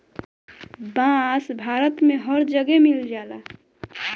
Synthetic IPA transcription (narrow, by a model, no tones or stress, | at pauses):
bãːsbʱaːɾət̪mẽɦəɾd͡ʒəɡɛmɪld͡ʒaːlaː